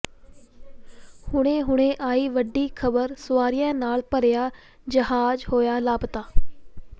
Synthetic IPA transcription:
hʊɽ̃ẽːɦʊɽ̃ẽːʔaːiːʋəɖːiːkʰəbəɾsʊʋaːɾijãːnaːlpəɾjaː | d͡ʒəɦaːd͡ʒhoːjaːlaːbt̪aː

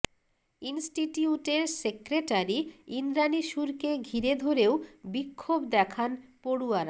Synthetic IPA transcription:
insʈiʈiuʈeɾsekɾeʈaɾiinɾaniʃuɾkeɡʱiɾed̪ʱoɾewbikʰːobd̪ɛkʰanpoɽuaɾa

